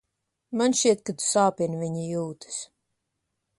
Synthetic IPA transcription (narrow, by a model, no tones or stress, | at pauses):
manʃt͡ʃiɛt̪̚kad̪u̥saːpʲinvʲiɲijuːt̪ɨ̥s